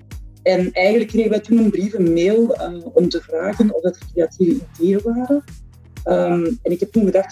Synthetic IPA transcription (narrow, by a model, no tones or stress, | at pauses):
ɛnɛjɣənləkːreɣənʋɛjtunənbrivənmeːlˠəɔmtəvraːɣənɔvdɑtərkreatiːvəideːəʋaːɾə | əmɛnɪkɦɛp̚tunɣədɑxt